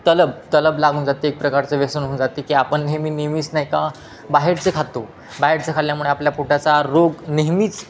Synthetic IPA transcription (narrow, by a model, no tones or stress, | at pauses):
t̪ələb̚t̪ələblaɡuːnd͡zat̪iek̚pɾəkaɾt͡seʋesənɦuːnd͡zat̪ikiːapəɳɦemiːneɦmiːsnajka | baɦeɾt͡sekʰat̪ːo | baɦeɾt͡sekʰalljamuɭeapljapuʈjat͡saɾoɡneɦmiːt͡s